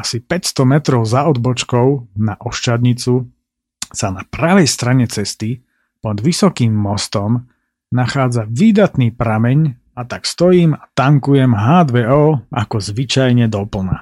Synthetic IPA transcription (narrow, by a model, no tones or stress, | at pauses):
asipɛcst̪ɔmɛt̪ɾɔʊzaɔd̪bɔt͡ʃkɔʊnaʔɔʃt͡ʃad̪ɲit͡su | sanapɾaʋɛjst̪ɾaɲɛt͡sɛst̪i | pɔd̪ʋisɔkiːmːɔst̪ɔm | naxaːd͡zaʋiːd̪at̪niːpɾamɛɲ | at̪akst̪ɔjiːmat̪aŋkujɛmɦaːd̪ʋɛɔːʔakɔzʋit͡ʃajɲɛd̪ɔpl̩ˠna̰